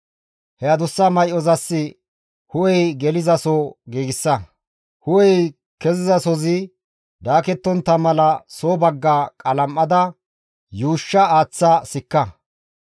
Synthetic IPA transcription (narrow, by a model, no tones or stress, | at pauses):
hɛjɐd̪ʊsːɐmɐjʔɔzɐsːɪ | hʊwɛjɡɛlɪzɐsoɡiːɡɪsːɐ | hʊwɛj | kɛzɪzɐsɔzɪ | d̪aːkɛt̪ːɔnt̪ːɐmɐlɐsoːbɐɡːaːkʼɐlɐmːɐd̪ɐ | juːʃːɐaːt͡sːɐsɪkːɐ